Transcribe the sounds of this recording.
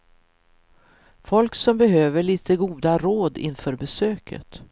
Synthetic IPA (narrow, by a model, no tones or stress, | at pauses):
fɔlksɔmbɛɦøːvəɭiːt̪ʰəɡuːd̪aɾoːd̪ɪ̰nfœːɾbɛsøːkʰə̰t̪